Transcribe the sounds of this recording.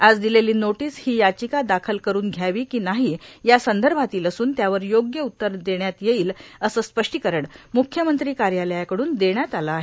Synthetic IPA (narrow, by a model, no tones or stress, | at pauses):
ad͡zd̪ileliːnoʈiːshiːjat͡ɕikad̪akʰəlkəɾuːnɡʱjaʋiːkiːnaɦijasənd̪əɾbʱat̪iːləsuːnt̪jaʋəɾjoɡjəut̪ːəɾd̪eɳjat̪jeiːləsəːspəʂʈikəɾəɳmukʰjəmənt̪ɾiːkaɾjaləjakəɽuːnd̪eɳjat̪alaːɦe